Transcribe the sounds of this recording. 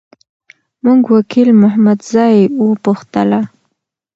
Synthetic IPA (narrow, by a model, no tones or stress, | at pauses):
muŋɡwakʰilmʊhamad̪zɑjwupuxt̪əla